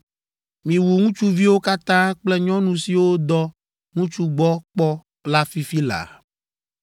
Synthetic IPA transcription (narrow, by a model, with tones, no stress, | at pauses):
mĩ˨wu˨ŋũ˦t͡ʃu˦vi˦wo˦ka˦t̪ã˦k͡plɛ˦ɲɔ̃˦nũ˨si˨wo˦d̪ɔ˦ | ŋũ˦t͡ʃu˦ɡ͡bɔ˦k͡pɔ˦ | la˦fi˦fi˦la̰˨